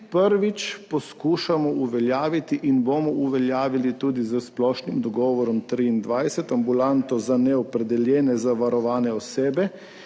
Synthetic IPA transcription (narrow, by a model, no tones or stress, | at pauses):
pəɾʋit͡ʃpɔskuːʃamɔuʋɛljaːʋit̪iʔinboːmɔuʋɛljaːʋilit̪uːd̪izəsplɔːʃnimd̪ɔɡɔːʋɔɾɔmt̪ɾiːnd̪ʋajsɛt̪ambulant̪ɔzanɛɔpɾɛd̪ɛljɛːnɛzaʋaɾɔʋaːnɛɔseːbɛ